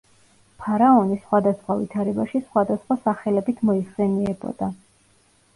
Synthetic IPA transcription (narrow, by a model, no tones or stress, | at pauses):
pʰaɾaɔnisχwad̪asχwavḭt̪ʰaɾɛbaʃisχwad̪asχwasaχɛlɛbit̪ʰmɔiχsɛniɛbɔ̰d̪̥a